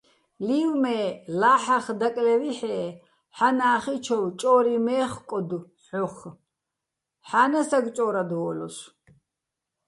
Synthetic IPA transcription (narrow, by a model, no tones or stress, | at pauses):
liwmɛːlaːħaχd̪akʼlɛviħɛː | ħanaːχit͡ʃʰɔwt͡ʃʼɔːɾimɛːχkʼɔd̪u | ɔχ | ħanasaɡt͡ʃʼɔːɾad̪ɔlɔs